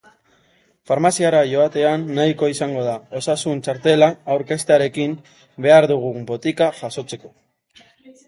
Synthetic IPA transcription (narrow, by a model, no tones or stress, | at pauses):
faɾmasiaɾaʝo̞at̪e̞anːajko̞isaŋɡo̞ð̞ao̞sasunt͡ʃaɾt̪e̞laːwɾke̞st̪eaɾe̞kim | be̞aɾðuɣ̞ubo̞t̪ikaʝaso̞t͡se̞ko̞